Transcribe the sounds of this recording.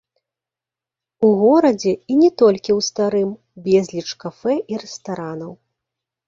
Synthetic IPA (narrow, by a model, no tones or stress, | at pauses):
uɣɔɾɐd͡zʲɛinʲɛt̪ɔlʲkʲiwst̪aɾɨm | bʲɛzʲlʲit͡ʂkafɛʔiɾɛst̪aɾanɐw